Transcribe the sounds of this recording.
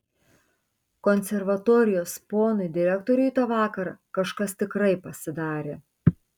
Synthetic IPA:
kɔnʲsʲɛɾʋɐt̪oːɾʲɪjoːspoːnʊɪd̪ʲɪɾʲɛkt̪ɔːɾʲʊit̪oːʋɑːkɐɾɑkɐʃkɐst̪ʲɪkɾɐɪpɐsʲɪd̪ɑːɾʲeː

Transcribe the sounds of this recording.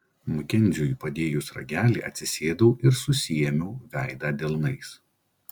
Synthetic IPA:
mʊkʲɛnʲdzʲujuˑpɐd̪ʲeːjusɾɐ̰ɡʲæːlʲḭːʔɐ̰t̪ʲsʲɪsʲeːd̪ɐʊʔɪɾsʊsʲijɛmʲɛʊʋʲæˑɪd̪ɑːd̪ʲɛlˠnɐɪs

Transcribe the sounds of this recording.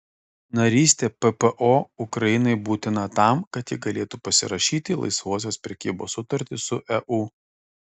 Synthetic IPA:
nɐɾʲiːsʲt̪ʲeːpɛpɛʔoːʊkɾɐjɪnɐɪbuːt̪ʲɪnɐt̪ɑˑmkɐt̪jɪɡɐlʲeːt̪uːpɐsʲɪ̰ɾɐʃʲiːt̪ʲɪlˠɐ̰ɪsʋuɔs̬ʲoːspʲɾʲɛkʲiːboːsʊt̪ɐɾʲt̪ʲɪsʊʔɛʔuː

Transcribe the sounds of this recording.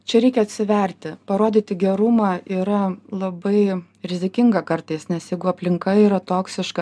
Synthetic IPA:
t͡ʃʲɛɾʲɛɪkʲɛɐt̪ʲsʲɪʋʲɛɾʲt̪ʲɪpɐɾoːd̪ʲiːt̪ʲɪɡʲɛɾʊmɑːiːɾɐlˠɐbɐɪ | ɾʲɪzʲɪkʲɪŋɡɐkɐrt̪ɐɪsnʲɛsjɛɪɡʊɐpʲlʲɪŋkɐiːɾɐt̪oːksʲɪʃkɐ

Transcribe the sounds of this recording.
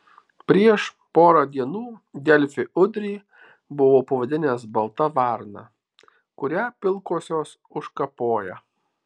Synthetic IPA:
pʲɾʲiɛʃ | poːɾɑd̪ʲiɛnuːd̪ʲɛlʲfʲɪʊd̪ʲɾʲiː | bʊʋoːpɐʋɐd̪ʲɪnʲɛːsbɐlˠt̪ɐʋɑˑɾnɑ̰ | kʊɾʲæpʲɪlˠkoːsʲoːs | ʊʃkɐpoːjɛ

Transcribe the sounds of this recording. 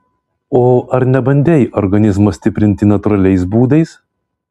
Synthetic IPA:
oːɐɾnʲɛbɐnʲd̪ʲeːjʔɔɾɡɐnʲɪzmɐsʲt̪ʲɪpʲɾʲɪnʲt̪ʲɪnɐt̪ʊɾɐlʲɛɪsbuːd̪ɐɪs

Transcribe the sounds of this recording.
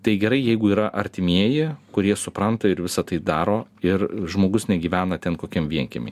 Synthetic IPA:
t̪ɐɪɡʲɛɾɐɪjɛɪɡʊiːɾɐʔɐɾʲt̪ʲɪmʲiɛjɪkʊɾʲiɛsʊpɾɐnt̪ɐɪɾʋʲɪsɐt̪ɐɪd̪ɑːɾoːɪɾʒmoːɡʊsnʲɛɡʲiːʋʲæːnɐt̪ʲɛnkoːkʲimʋʲiɛŋʲkʲɛ̰mʲɛ̰

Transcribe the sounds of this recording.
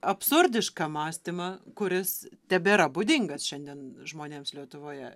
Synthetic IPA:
ɐpsʊɾʲd̪ʲɪʃkɑmɑːsʲt̪ʲɪmɐkʊɾʲɪst̪ʲɛbʲɛɪɾɐbʊd̪ʲɪŋɡɐsʃʲɛnd̪ʲiɛnʒmoːnʲeːmslʲiɛt̪ʊʋoːjɛ

